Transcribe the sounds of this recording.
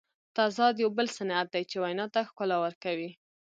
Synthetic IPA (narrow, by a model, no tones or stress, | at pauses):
t̪ɑzɑd̪jawbəlsanat̪̚d̪ajt͡ʃewajnɑt̪axkʊlawəɾkawi